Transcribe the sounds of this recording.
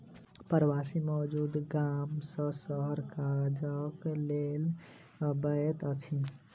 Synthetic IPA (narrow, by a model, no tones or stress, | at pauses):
pəɾwasimɔd͡ʒud̪ɡamsə̃səɦəɾkad͡ʒəklel | bəjt̪ət͡ʃʰi